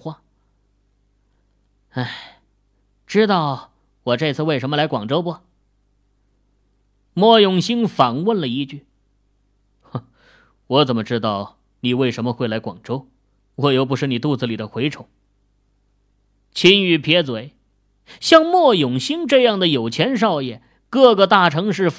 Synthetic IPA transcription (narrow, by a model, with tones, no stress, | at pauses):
wa˥˩ | a˥˩ɪ | ʈ͡ʂɻ̩˥t̪ɑ˥˩ʊ | wɔ˨˩ʈ͡ʂɤ˥˧t͡sʰɹ̩˥˧we˥˩ɪʂə˧˥nmə˧la˧˥ɪkwɑ˨˩ŋʈ͡ʂo˥ʊbə˨˩ | mwɔ˥˩jʊ˨˩ŋɕi˥ŋfɑ˨˩ŋwə˥˩nlə˩i˧˥t͡ɕy˥˩˧ | wɔ˧˥t͡sə˨˩nmə˦ʈ͡ʂɻ̩˥t̪ɑ˥˩ʊ | ni˨˩we˥˩ɪʂə˧˥nmə˧xwe˥ɪla˧˥ɪkwɑ̰˨˩ŋʈ͡ʂo˥ʊ | wɔ˧˩jo˧˥ʊp̬u˧˥ʂɻ̩˥˩ni˨˩t̪u˥˧t͡sɹ̩˧˩li˨˩d̪ə˦xwe˧˥ɪʈ͡ʂʰo˨˩˦ʊ | t͡ɕʰi˧˥ny˨˩pʰjɛ˧˥t͡swe˧˩˥ɪ | ɕjɑ˥˧ŋmwɔ˥˩jʊ˨˩ŋɕi˥ŋʈ͡ʂɤ˥˧jɑ˥˩ŋd̪ə˩jo˨˩ʊt͡ɕʰjɛ˧˥nʂ̬ɑ˥˧ʊjɛ˥˩ | kɤ˥˧ɡə˨t̪a˥˩ʈ͡ʂʰɤ˧˥ŋʂ̬ɻ̩˥˧